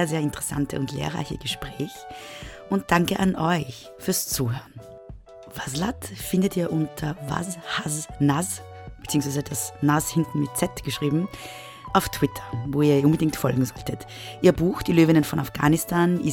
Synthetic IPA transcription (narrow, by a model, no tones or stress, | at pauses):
ɐzeːɐɪntəʁɛsa̰ntʰə̰ʊntlḛːɐʁa̰ɪçəɡ̥əʃpʁ̥ɛːçʔʊnt̚d̥aŋkəʔanʔɔʏç | fyːɐst͡suːhøːɐn | vazlatfɪndətiːɐʔʊntʰɐva̰zhaznaz | b̥t͡siːʊŋsv̥aɪzədasnashɪntn̩mɪt̚t͡sɛtɡ̥əʃʁ̥iːbm̩ | ʔaʊftʰw̥ɪtʰɐ̥voːiːɐʔʊnbədɪŋk̚tfɔlɡŋ̩zɔltət | ʔiːɐbuːxd̥iːløːvɪnənfɔnafɡ̥a̰ːnɪstʰaːni